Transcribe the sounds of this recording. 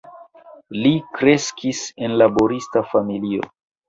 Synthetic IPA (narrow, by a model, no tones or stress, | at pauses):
likɾe̞skise̞nlabo̞ɾistafamilio̞̰